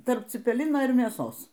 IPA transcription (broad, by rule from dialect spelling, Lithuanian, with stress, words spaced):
ˈtɐrp t͡sʲɪpʲɛˈlʲɪnoː ɪr mʲeːˈsoːs